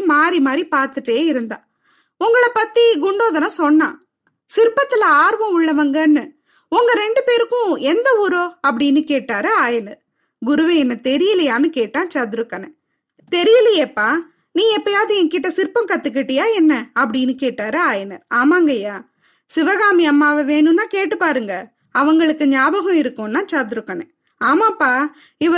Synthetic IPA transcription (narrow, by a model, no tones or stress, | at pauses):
maːɾimaːd̪ɾipaːɾt̪ɯʈːeːɪɾɯnd̪ã̰ː | ʊŋɡɐɭɐpɐt̪ːiɡʊɳɖoːðɐnasɔnːã̰ː | sɪɾɯpːɐt̪ːɯlɐaːɾʋɐ̃ʊɭːɐʋɐŋɡɐnːɯ | ʊŋɡɐɾɛɳɖɯpeːɾɯkːʊ̃ɛnd̪ɐuːɾoːɐpːɐɽɪnːɯkeːʈːaːɾɐaːjɐnɐɾ | ɡʊɾʊʋɐ̃ɛnːɐt̪ɛɾɪjɐlɐjaːnɯkeːʈːãːt͡ʃɐt̪ɯɾɯkːɐnɐ̃ | t̪ɛɾɪjɐlɐjepːaː | nĩːɛpːɐjaːðɯɛŋkɪʈːɐsɪɾpɐ̃mkɐt̪ːɯk̬ːɪʈːɪjaːɛnːɐɐpːɐɽɪnːɯkeːʈːaːɾɐaːjɐnɐɾaːmaːŋɡɐjaː | sɪʋɐɣaːmiɐmːaːʋɐʋeːɳɯ̃naːkeːʈːɯpaːɾɯŋɡɐ | ɐʋɐŋɡɐɭɯkːɯɲaːbɐɣʊ̃ɪɾɯkːʊ̃nːãːt͡ʃaːt̪ɯɾɯkːɐnɛ̰̃ | aːmaːpːaː | ɪʋɐ